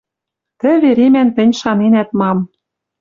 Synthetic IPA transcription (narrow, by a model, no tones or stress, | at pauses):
t̪ɘ̆βeɾemænt̪ɘ̆nʲʃɑnenæt̪mɑm